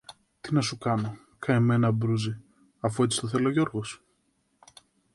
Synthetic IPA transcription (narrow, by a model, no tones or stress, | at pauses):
t̪inɐsukɐno̞ | kʰɐemenɐbɾuzi | ɐfue̞t͡si̥t̪oθe̞lo̞ʝo̞ɾɣo̞s